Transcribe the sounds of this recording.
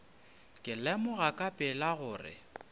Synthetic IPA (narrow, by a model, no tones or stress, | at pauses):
kʼɪlɛmʊɣakʼapʼɪlaɣʊːrɪ̰